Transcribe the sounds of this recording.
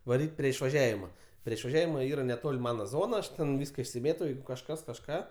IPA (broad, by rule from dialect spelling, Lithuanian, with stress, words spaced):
ʋɐˈrʲiːtʲ pʲrʲiɛ ɪʃʋɐˈʒʲæːʋʲɪmɐ pʲrʲiɛ ɪʃʋɐˈʒʲæːʋʲɪmɐ ˈiːrɐ nʲɛˈtoːlʲ ˈmɑːnɐ ˈzoːnɐ ˈɐʃ ˈtʲɛn ˈʋʲiːskɐ ɪʃʲsʲɪˈmʲeːtoː ˈjɛɪɡʊ kɐʃˈkɐs kɐʃˈkɑː